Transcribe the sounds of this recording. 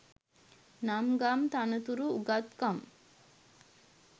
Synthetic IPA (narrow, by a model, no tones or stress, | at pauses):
namɡamt̪anət̪uɾuːɡat̪kam